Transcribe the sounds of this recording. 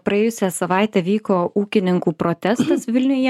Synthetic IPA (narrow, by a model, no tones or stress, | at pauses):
pɾɐeːjʊsʲæsɐʋɑˑɪt̪ʲɛʋʲiːkoːʔuːkʲɪnʲɪŋkuːpɾoːt̪ʲɛst̪ɐsʋʲɪlʲnʲʊjɛ